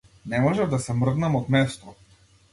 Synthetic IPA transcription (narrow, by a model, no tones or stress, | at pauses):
nɛmɔʒɛvd̪asɛmr̩d̪namɔt̪mɛst̪ɔ